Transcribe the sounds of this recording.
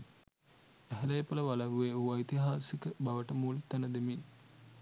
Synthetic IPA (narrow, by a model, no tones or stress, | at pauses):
æɦɛlɐjpɐləʋalɐʋuʋeuʋait̪iɦaːsikəbaʋəʈəmuːlt̪ænəd̪emin